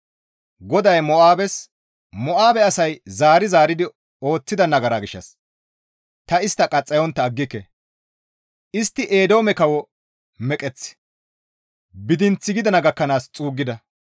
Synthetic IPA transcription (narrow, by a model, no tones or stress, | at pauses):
ɡɔd̪ɐjmɔaːbɛs | mɔʔaːbɛɐsɐjzaːɾɪzaːɾɪd̪ɪ | o̞ːt͡sːɪd̪ɐnɐɡɐɾaːɡɪʃːɐ̰s | t̪ɐɪst̪ːɐkʼɐt͡sʼːɐjɔnt̪ːɐːɡːɪkːɛ | ʔɪst̪ːɪʔeːd̪o̞ːmɛkɐwɔ | mɛkʼɛt͡sː | bɪd̪ɪnt͡sːɪɡɪd̪ɐnɐɡɐkːɐnaːst͡sʼuːɡːɪd̪ɐ